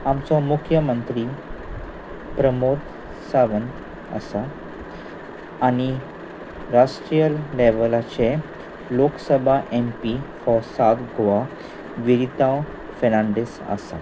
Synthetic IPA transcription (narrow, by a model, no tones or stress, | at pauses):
amt͡sɔmukʰjəmənt̪ɾi | pɾəmoɾt̪ | saʋən | ə̰sa | ñi | ɾasʈɾijəlleʋəlat͡ɕe | loksəbʱaʔempifɔsat̪ɡʱoʋa | ʋiɾit̪a | fenaɳɖesa̰sa̰